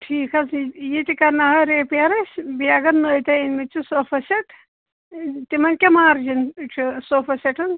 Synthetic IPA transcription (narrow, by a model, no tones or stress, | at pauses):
ʈʰiːkʰɐsjit̪ʲikɐnɐɦɐɾeːpɐɾɐsʲbijɐɡɐnnoːjt̪ɐinʲmit͡ʃʰisofɐsɐʈʰ | t̪imɐnʲkʲemaːɾd͡ʒint͡ʃʰisoːfɐsɐʈʰɨn